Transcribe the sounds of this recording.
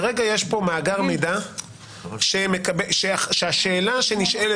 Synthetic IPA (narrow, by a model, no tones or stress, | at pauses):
ʁeɡaje̞ʃpo̞maːɡaʁmejd̪a | ʃemekabeʃeaʃeaʃeːlaʃe̞niʃele